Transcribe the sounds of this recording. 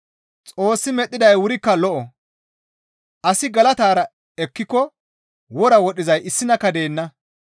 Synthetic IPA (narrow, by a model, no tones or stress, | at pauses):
t͡sʼo̞ːsːɪmɛt̪ʼːɪd̪ɐjwʊɾɪkːɐlɔʔɔ | ʔɐsɪɡɐlɐt̪aːɾɐ | ɛkːɪkːɔ | wɔɾɐwɔɗɪzɐjʔɪsːɪnɐkɐd̪e̞ːnːɐ